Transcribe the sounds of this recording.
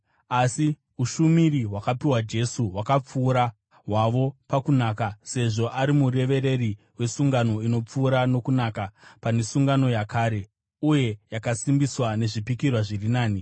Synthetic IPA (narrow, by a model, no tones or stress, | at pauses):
asi | uʃumiriɦwakapiwad͡ʒe̞suɦwakap͡fuːɾa | ɦwaʋo̞pakunaːkase̞ʐo̞ʔaɾimure̞ʋe̞ɾe̞ri | we̞suŋɡano̞ino̞p͡fuːɾano̞kunaːkapanesuŋɡano̞jakaːɾe̞ | uje̞jakasimbiswane̞ʐipikirwaʐirinaːni